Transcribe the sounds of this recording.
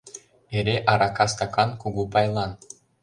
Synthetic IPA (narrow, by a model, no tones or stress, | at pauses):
eɾʲeʔɑɾɑkɑskɑkɑnkuɣupɑjlˠɑn